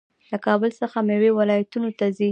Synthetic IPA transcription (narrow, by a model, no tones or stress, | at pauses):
lakɑbəlsəxamewewalɑjat̪unot̪azi